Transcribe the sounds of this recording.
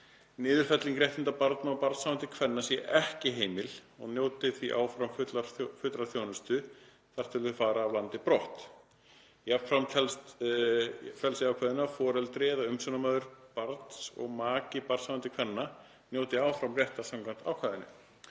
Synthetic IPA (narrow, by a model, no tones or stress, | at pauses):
nɪːðʏɾ̥fɛt̪liŋkɾjɛjht̪ɪnt̪apaɾt̪naɔpaɾt̪sawant̪ɪkʰvɛnːasjɛʔɛhcɪɦeːjmɪlɔɣnjoːwt̪ɪθviʔa̰ːwfɾawmfʏt̪laɾfʏt̪ɾaθjoːwnʏst̪ʏ | θaɾ̥t̪ʰɪlðʏɾfaːɾaːvlant̪ɪpɾɔht̪ | jap̪fɾawmtʰɛlst̪ | fɛlsɪaːwkʰaːðʏnafɔːɾɛlt̪ɾɪɛðaʏmsœnamaːðʏɾpaɾt̪sɔ̰ɣmaːcɪpaɾ̥t̪sawvant̪ɪkʰvɛnːa | njoːwt̪ɪaːwfɾawmrjɛht̪asamklan̥t̪a̰ːwkʰvaːðɪnʏ̰